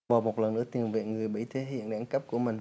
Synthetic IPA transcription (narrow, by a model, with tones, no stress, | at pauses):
vaː˨˩wmo˨˩t̚lə˨˩nːɨ̰˧˥ət̪i˨˩ənvḛ˧˨nŋɨ˨˩əjɓə˧˥˩jt̪ʰe˨˦ɦḭ˧˨ənɗaː˧˥ŋkə˦˥p̚ku˧˩əmï˨˩ŋ